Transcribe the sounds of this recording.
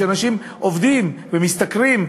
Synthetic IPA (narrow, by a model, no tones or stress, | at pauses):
anaʃim | ʔovd̪imvemist̪akʁim